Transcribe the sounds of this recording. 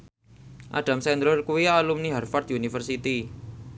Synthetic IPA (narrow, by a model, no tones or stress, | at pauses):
ʔa̰ɖ̥ä̤msɛnd̪ɾʊrkuwialumniɦarfard̪̥unifərsit̪i